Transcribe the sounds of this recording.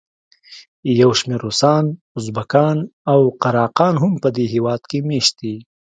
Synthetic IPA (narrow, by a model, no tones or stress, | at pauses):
jɐwʃmeːɾusɑːn | ʊzbɐkɑːnawqɐɾɑːqɑːnɦʊmpəd̪eɦiwɑːt̪kemeːʃ̚i